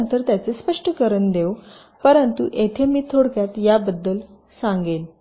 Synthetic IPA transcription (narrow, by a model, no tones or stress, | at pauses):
nt̪əɾt̪jat͡sespəʂʈəkəɾənd̪ew | pəɾənt̪ṵʔet̪ʰemiːt̪ʰoɽkjat̪jabəd̪ːəl | sãŋɡel